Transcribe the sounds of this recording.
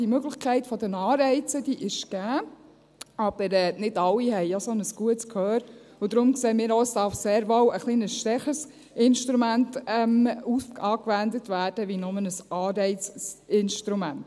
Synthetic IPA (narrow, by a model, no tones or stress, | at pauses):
d̥imøɡlɪχkʰɛɪtfɔdənɑːɾɛɪt͡sədiʔɪʃɡ̥æː | ɑb̥əɾɛːnɪdɑlːihɛɪjosɔnəsɡ̥uətskʰhœːɾ | ʊd̪ɾʊmkseːmiːɾoəsd̥ɑɾfseːɾʋɔwəχliːnəsʃtɛχəs | ɪnʃtɾumæntɛmufɑːkʋændətʋæːɾd̥əʋinʊmənəsɑːɾɛɪt͡sɪnʃtɾumænt